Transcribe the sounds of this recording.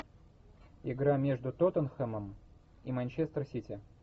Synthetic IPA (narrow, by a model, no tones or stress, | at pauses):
ɪɡɾamʲe̞ʐd̪ʊt̪ot̪ənxəməm | imɐnʲt͡ɕest̪ɾsʲitʲɪ